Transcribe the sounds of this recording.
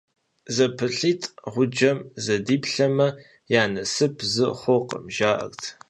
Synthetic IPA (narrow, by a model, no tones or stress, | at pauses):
zɐpʰɨɬiːtʼʁʷʊd͡ʒɐmzɐdiːpɬɐmɐ | jaːnɐsɨpʰzɨχʷɔqə̰mʒaːʔɐ̰rtʰ